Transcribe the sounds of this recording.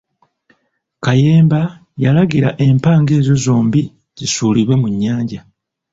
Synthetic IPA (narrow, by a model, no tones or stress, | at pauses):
kaje̞ːmba | jalaɡiɾaʔempaːŋɡe̞ːzo̞zo̞ːmbi | zisuːliβwe̞muɲːaːɲɟa